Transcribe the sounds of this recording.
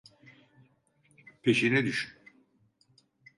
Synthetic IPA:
pʰeʃinɛd̪yʃyn

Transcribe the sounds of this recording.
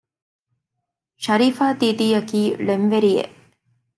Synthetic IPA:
ʃɐɾiːfaːt̪iːd̪iːɐkiːlemʋeɾijḛʔ

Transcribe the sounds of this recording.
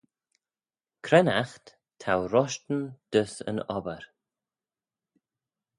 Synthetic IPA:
kʰɾɛna̰xt̪ | tʰawɾɔʃtənd̪̥əsə̰nɔbəɾ

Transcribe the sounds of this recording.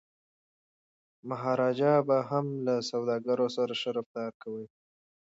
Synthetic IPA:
maɦɑɾɑd͡ʒɑbaɦamlasawd̪ɑɡaɾosaɾaʃəɾaft̪ɑɾkawi

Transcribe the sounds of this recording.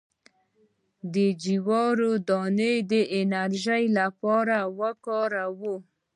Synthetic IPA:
d̪əd͡ʒiwɔɾod̪ɔnəjd̪əʔɪnaɾʒəjlapɑɾawəkɑɾawo

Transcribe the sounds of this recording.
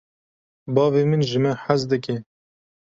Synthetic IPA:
bɑːveːmɨnʒɨmɛħazd̪ɨke

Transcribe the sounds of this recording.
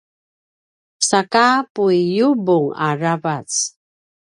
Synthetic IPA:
sakapuijubuŋa̰ɹavat͡s

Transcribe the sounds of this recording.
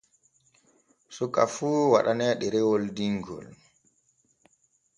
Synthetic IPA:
sukʼːafuːwa̰ɗanɛɗɛɾɛwɔldiŋɡɔ̰l

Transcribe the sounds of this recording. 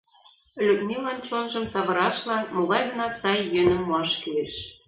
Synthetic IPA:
lʲyk̚nʲylɑnt͡ɕonʒɤ̆msɑβɤ̆ɾɑʃlɑnmoɣɑjɣɤ̆nɑsɑjːønə̆mːoɑʃkyeʃ

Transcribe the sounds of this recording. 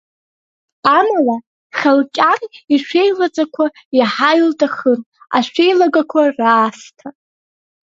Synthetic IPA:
amala | χʲalkʲʼaniʃʷʰe̞jlad͡zʼakʷʰa | jaħajltʼaχən | a̰ʃʷᶣe̞jlaɡakʷʰaraːstʰa

